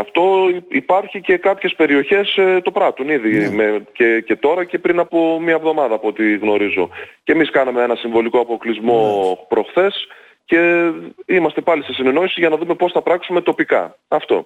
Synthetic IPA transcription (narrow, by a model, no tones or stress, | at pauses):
ɐft̪o̞ipɐɾçice̞kɐpçe̞spe̞ɾio̞çe̞st̪o̞pɾɐt̪uniðimecece̞t̪o̞ɾɐce̞pɾinɐpo̞mɐevðo̞mɐðɐːpo̞t̪iɣno̞ɾizoce̞miskɐnɐmeenɐsiɱvo̞liko̞ɐpo̞klizmo̞pɾo̞xθe̞s | ce̞ | imɐst̪e̞pɐlise̞sine̞no̞isiʝɐnɐðume̞po̞sθɐpɾɐksume̞t̪o̞pikɐ̰ | ɐft̪o̞̰